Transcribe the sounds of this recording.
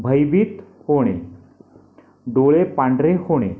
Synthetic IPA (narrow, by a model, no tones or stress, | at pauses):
bʱəjbit̪hoɽ̃e | ɖoɭepaɳɖɾehoɽ̃e